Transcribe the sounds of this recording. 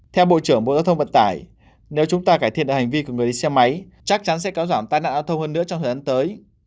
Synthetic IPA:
t̪ʰɛ˧wɓo̰˧˨t͡ɕɨ˧˩əŋɓo̰˧˨zaː˧wt̪ʰwvə̰˧˨nt̪aː˧˩j | ne˨˦wt͡ɕʊ˨˦ŋ͡mt̪aː˧kaː˧˩jt̪ʰi˧˨nɗɨː˨˩ha˨˩ŋ̟vi˧ku˧˩ŋɨ˨˩əɗḭ˧˨sɛ˧ma˨˦j | t͡ɕa˦˥k̚t͡ɕa˨˦nsɛ̰˧˥kaː˨˦wzaː˧˩mt̪aː˧jna̰ː˧˨nzaː˧wt̪ʰə˧wŋ͡mhəː˧nːɨ̰˧˥ət͡ɕɔ˧wŋ͡mt̪ʰəː˨˩ʔa˨˦nt̪əː˨˦j

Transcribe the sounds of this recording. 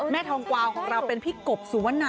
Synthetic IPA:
mɛː˥˩t̪ʰɔː˧ŋkwaː˧wkʰɔː˩˦ŋɾa˧wpe˧npʰiː˥˩ko˨˩p̚suː˩˦wa˦˥nːaː˧

